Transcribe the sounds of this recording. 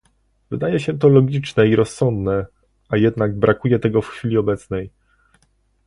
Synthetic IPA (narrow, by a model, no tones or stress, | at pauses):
vɘd̪ajɛɕɛt̪ɔlɔɡʲit͡ʂnɛiɾɔsːɔnd̪nɛ | ajɛd̪naɡbɾakujɛt̪ɛɡɔfxfʲilʲiɔbɛt̪snɛj